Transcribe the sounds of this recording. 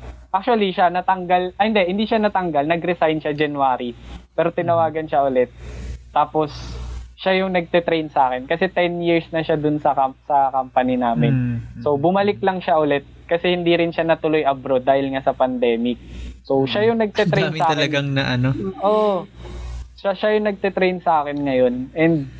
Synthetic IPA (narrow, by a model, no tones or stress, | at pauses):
ʔak̚t͡ʃʊɐliʃanɐt̪ɐŋɡalhɪnd̪ɛhɪnd̪iːʃanɐt̪ɐŋɡalnɐɡɾɛsajnʃad͡ʒɐnwaːɾipɛːɾo̞t̪ɪnɐwaːɡɐnʃaʔʊlɛt̪̚ːaːpo̞sʃajʊŋnɐɡ̚t̪ɛt̪ɾɛjnsʔaːkɛnkɐsɛt̪ɛnjiɹsnɐʃad̪ʊnsɐkɐsɐkɐmpɐninaːmɪnso̞bʊmɐlɪk̚lɐŋʃaʔʊlɛt̪̚kɐsɛhɪnd̪iɾɪnʃanɐt̪ʊlojʔɐbɾod̪ːaːhɪlŋasɐpɐnd̪ɛːmɪk̚so̞ʃajʊŋnɐɡ̚t̪ɛɾej̪mʔaːɐlɐɡaŋnɐʔɐnoʔoʔ | ʃaʃajʊŋnɐɡ̚t̪ɛt̪ɾejnsɐʔaːkɪnŋɐjo̞nʔɛnd̪̚